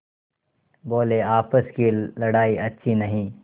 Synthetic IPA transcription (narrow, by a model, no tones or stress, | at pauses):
boːleaːpəskilɐɽaːiʔɐtːʃʰinɐɦĩː